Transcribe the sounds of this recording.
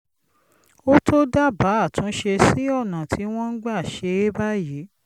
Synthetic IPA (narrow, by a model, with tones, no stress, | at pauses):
o˦tʰo˦da˦˨ba˨˦a˦˨tũ˨˦ʃe˧si˦ɔ˦˨nã˨tʰi˨˦w̃ɔ̃˦n̩˦ɡ͡ba˦˨ʃe˧e˦ba˦ji˨˦